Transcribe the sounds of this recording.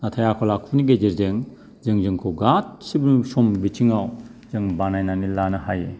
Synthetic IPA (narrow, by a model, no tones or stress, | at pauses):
natʰajakʰɔlakʰuniɡed͡ʒeɾzɯŋ | zɯŋzɯŋkʰuɡat̚sibunsɔmbit͡ʃʰiŋawzɯŋbanajnanilanɐɦaje